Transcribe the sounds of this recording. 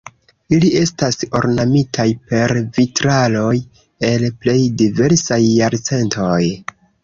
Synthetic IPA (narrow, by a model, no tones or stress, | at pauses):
ilie̞staso̞̰ɾnamitʰajpe̞ɾvitɾalo̞j | e̞lple̞jdive̞ɾsajːaɾt͡se̞ntʰoj